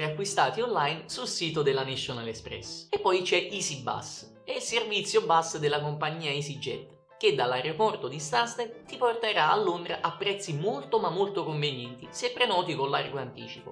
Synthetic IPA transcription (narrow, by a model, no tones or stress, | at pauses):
ɾeakːwist̪aːt̪iɔnlajnsulsiːt̪od̪elːaniʃːonalɛspɾɛ̰sepːɔjt͡ʃɛʔisiba̰s | ɛilservit̪sːjobasːd̪elakompaɲːiːaisid͡ʒɛ̰t̪ | k̟ed̪alːarɾepɔrt̪od̪ist̪asnett̪ːiport̪eɾaalːond̪ɾaʔapːɾɛt̪sːimolt̪omamːolt̪okoɱvenɛnt̪isɛpːɾenɔːt̪ikolːarɡoant̪iːt͡ʃipo